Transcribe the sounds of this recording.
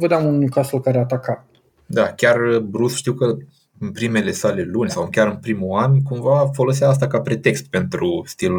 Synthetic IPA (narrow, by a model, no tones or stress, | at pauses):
vəd̪amununujkasulkaɾeat̪akat̪ | d̪akʲarbɾusʃt̪iwkə | ɨnpɾime̞le̞sale̞lunʲsawɨkʲaɾɨnpɾimuankumvafo̞lo̞s̬eaas̬t̪akapɾe̞t̪e̞kst̪̚pe̞nt̪ɾust̪ilu